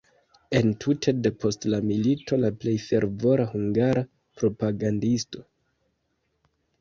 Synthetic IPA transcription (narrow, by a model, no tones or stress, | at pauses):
e̞ntʰutʰe̞de̞pʰo̞stlamilitʰo̞laple̞jfe̞ɾvo̞ɾahuŋɡaɾa | pɾo̞paɡandisto̞̥